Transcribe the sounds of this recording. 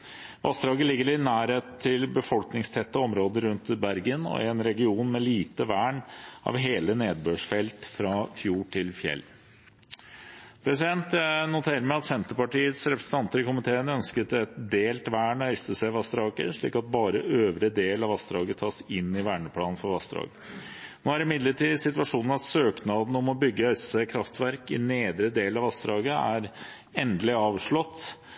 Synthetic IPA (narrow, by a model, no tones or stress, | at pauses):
ʋʔɑst̪ɾɑːɡəlɪɡːəɾɪnæːɾheːt̪t̪ʰːɪlbəfɔlknɪŋst̪ʰɛt̪ːəɔmɾoːd̪əɾʉnt̪bæɾɡənɔ̰ɪ̰ɛnɾɛɡɪuːnmɛliːt̪əʋæːɳɑ̰ʋɦeːləneːd̪̚bøːʂfɛlt̪fɾɑfjuːʈʰɪlfjɛ̰lː | pʰɾɛsɪd̪ɛnt̪nʊt̪ʰeːɾəmæɪɑt̪sɛnt̪əpɑʈiːət̪sɾɛpɾəsn̩t̪ɑnt̪əɾɪkʊmɪt̪ʰeːənœnskət̪ɛt̪d̪eːlt̪ʋæːɳœʏsəsɛʋɑst̪ɾɑːkə̰ʂɭḭːkɑt̪̚bɑːɾəʔøːʋɾəd̪eːlɑʋɑst̪ɾɑːɡət̪ʰɑːsɪnːɪʋæːɳəpʰlɑ̰ːnn̩fɔɾɑst̪ɾɑ̰ːɡə | noːæɾɪmɪd̪ləʈiːsɪt̪ʋɑʂuːnn̩ɑsøːknɑːd̪n̩ɔmɔbʏɡːəœʏsə̥sækʰɾɑft̪ʋæɾkɪneːd̪ɾəd̪eːlɑʋɑst̪ɾɑːɡəæ̰ɾ | ɛnd̪əlɪɑːʋʂɭɔt̪ː